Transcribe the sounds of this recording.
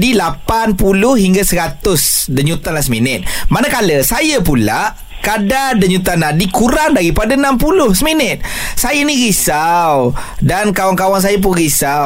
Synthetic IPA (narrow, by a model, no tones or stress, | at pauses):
dilapanpulʊhɦiŋɡasəɾat̪ʊsdəɲut̪anlasmənɪt̪̚manakaləsajəpula̰ʔ | kadadəɲut̪anadikuɾaŋdaɾipadanampulʊhsəmənət̪̚sajəniɣisawdankawaŋkawaŋs̬ajəp̬ʊnɣisa